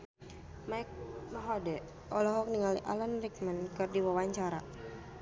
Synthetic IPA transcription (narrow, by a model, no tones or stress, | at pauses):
majk̚maɦɔdɛ | ɔlɔɦɔk̚niŋaliʔalanrik̚mankɨrdiwawaɲt͡ʃaɾa